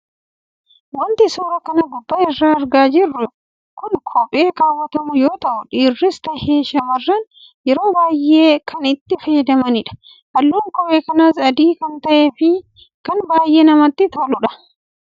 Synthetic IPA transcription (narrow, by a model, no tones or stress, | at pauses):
wɐnt̪ɪsoːɾɐkɐnɐɡʊbːɐɪrːaːɐɾɡaːd͡ʒɪrːʊ | kʊnkʰɔpʼeːkaːwːɐt̪ɐmʊjoːt̪ɐʔʊᶑiːrːɪst̪ɐheːʃɐmɐrːɐn | jɛɾo̞ːbaːjːʔe̞ːkɐnɪt̪ːɪfɐjɐd̪ɐmɐnɪᶑɐ̥ | hɐlːuːŋkɔpʼeːkɐnaːsɐd̪iːkɐnt̪ɐʔeːfɪ | kɐnbaːjʔe̞ːnɐmɐt̪ːɪt̪olʊᶑɐ̥